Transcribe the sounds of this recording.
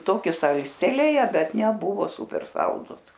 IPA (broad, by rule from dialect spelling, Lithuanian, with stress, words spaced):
ˈtoːkʲɪ ˈsɐlʲsʲtʲɛlʲeːjɛ ˈbʲɛt nʲɛˈbʊʋoː ˈsuːpʲɛr ˈsɐlˠdʊs